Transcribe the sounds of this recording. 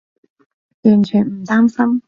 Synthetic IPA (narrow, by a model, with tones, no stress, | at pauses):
jy˨˩nt͡ɕʰy˨˩nm̩˨˩t̪aː˥msɐ˥m